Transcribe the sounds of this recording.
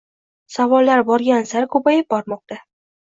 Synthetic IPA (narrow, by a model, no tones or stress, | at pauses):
savɒlːaɾbɒɾɡʲansaɾkʰɵpajɪp̚bɒɾmɒq̚t̪a